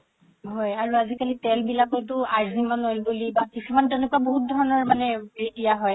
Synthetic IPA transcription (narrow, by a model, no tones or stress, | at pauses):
ɦɔjaɹuazikalitɛlbilakɔɹtʊaɹzimanolbulibakisumantɛnʊkuaboɦut̚dʱɔɹɔnɔɹmanɛbeidijaɦɔj